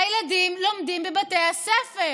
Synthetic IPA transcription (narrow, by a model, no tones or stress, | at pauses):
jlad̪imlomd̪imbebat̪ehasɛfe